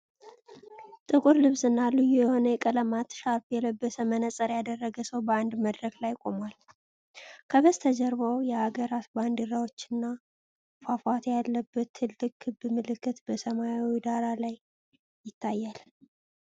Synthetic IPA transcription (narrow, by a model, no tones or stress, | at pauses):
t̪ʼɨkʼuɾlɨβsɨnːalɨjujɛho̞nəjɛkʼələmat̪ʃaɾfjɛləbːəsəmənəsʼəɾjad̪ərːəɡəsəwbəand̪məd̪ɾəklajkʼo̞mal | kʰəbəst̪ʰəd͡ʒəɾβəwjɛhaɡəɾat̪band̪ɨɾawo̞t͡ʃːɪnːa | fafat̪jalːəbːət̪ʰːɨlːɨkːɨbɨmɨlɨkʰːɨt̪bəsəmajawid̪aɾalaj | jɪt̪ʰːajːal